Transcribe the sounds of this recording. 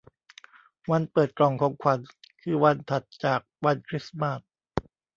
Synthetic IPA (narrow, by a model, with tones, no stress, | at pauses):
wa˧npɤː˨˩t̪̚klɔː˨˩ŋkʰɔː˩˦ŋkʰa˧˩nkʰɯː˧wa˧nt̪ʰa˨˩t̪̚t͡ɕaː˨˩k̚wa˧nkʰɾi˦˥sma˦˥˩t̚